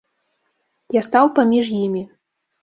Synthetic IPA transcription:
jast̪awpamʲiʐjimʲi

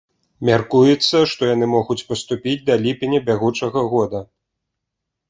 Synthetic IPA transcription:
mʲarkujɛt̪sːɐʂt̪ɔjan̪ɨmɔɣut͡sʲpɐst̪upʲid͡zʲd̪ɐlʲipʲinʲɐbʲaɣut͡ʂɐɣɐɣɔd̪ɐ

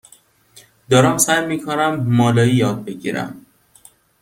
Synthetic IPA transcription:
d̪̥ɒːɾæmsæjmiːkʰonæmːɒːlɒːiːjɒːd̪̚be̞ɟḭːɾæ̰m

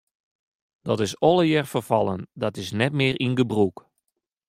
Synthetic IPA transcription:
d̥ɔtɪsɔlˠəjɛrfərfɑlˠəndɔtɪsnɛtmɪːrʔinɡəbruk

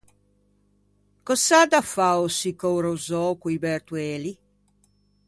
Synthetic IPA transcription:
kɔsad̪afaosikowɾozɔkwibɛɾt̪wɛːli

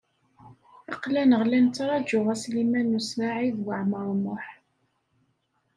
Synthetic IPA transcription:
ɑqlænəʁlænt͡sːɾˤɑd͡ʒʊʁæslimænːusvaʕiðwəʕməɾˤmʊħ

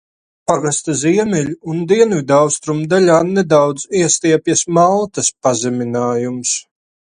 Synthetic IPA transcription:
paɡast̪aziɛmʲɛlʲuund̪iɛnvʲid̪awst̪ɾumd̪alʲaːnɛd̪awd̪z̥iɛst̪iɛpʲjasmalˠt̪aspazɛmʲinaːjums

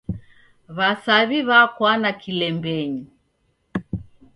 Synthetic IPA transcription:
βasaβiβakwanakʰilɛmbɛɲi

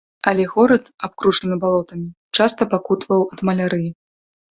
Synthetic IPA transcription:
ɐlʲɛɣɔɾɐt̪ap̚kɾuʂɐnɨbalˠɔt̪ɐmʲit͡ʂast̪ɐpakut̪vɐwɐd̪mɐlʲaɾɨji

